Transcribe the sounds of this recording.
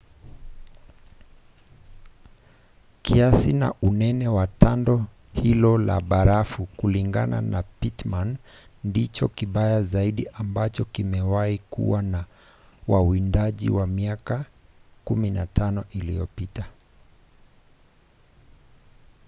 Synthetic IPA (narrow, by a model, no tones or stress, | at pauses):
kiasina̰ʔunɛnɛwatandɔ | hilɔla̰ɓaɾafukuliŋɡa̰na̰napitmanː | dit͡ʃɔkiɓajazaiɗiʔambat͡ʃɔkimɛwaikṵwana | wawindaʄḭwamiakakuminatʰanɔʔilḭɔpita